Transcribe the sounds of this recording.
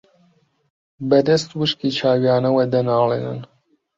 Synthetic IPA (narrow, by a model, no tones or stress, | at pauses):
bɐd̪ɐst̪wɨʃkiːt͡ʃʰaːwijaːnɐwɐd̪ɐnaːlḛːnɨ̰n